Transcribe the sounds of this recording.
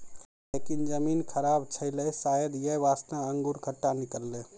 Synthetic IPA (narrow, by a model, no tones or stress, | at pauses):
lekind͡ʒəminkʰəɾabt͡ʃʰəɪlɛsajəd̪jəβasnaəŋɡuɾkʰəʈːanikəlːe